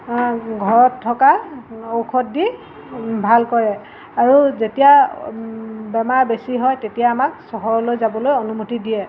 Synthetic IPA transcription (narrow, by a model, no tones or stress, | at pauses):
ɡʱɔɹɔtʰːɔkaowkʰɔt̚di | bʱalkɔɹɛ | aɹuzetija | bɛmaɹbesiɦɔjtetijaːmak̚sɔɦɔɹlojzabɔlojonumutidiɛ